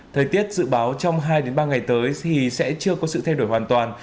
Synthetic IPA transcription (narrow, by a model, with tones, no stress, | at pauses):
t̪ʰəː˨˩jt̪i˦˥ət̚zɨ̰˧˨ɓaː˨˦wt͡ɕɔ˧wŋ͡mɦaː˧jɗe˨˦nɓaː˧ŋa˨˩jt̪əː˨˦jt̪ʰi˨˩sɛ̰˧˥t͡ɕɨ˧əkɔ˨˦sɨ̰˧˨t̪ʰjɗo˧˩jhwaː˨˩nt̪waː˨˩n